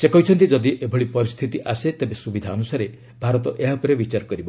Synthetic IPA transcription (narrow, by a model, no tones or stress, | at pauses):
sekɔɦit͡ʃʰɔnt̪id͡ʒɔd̪iʔebʱɔɭipɔɾist̪ʰit̪iʔaset̪ebesubid̪ʱaɔnusaɾe | bʱaɾɔt̪ɔʔeɦapɔɾebit͡ʃaɾkɔɾibɔ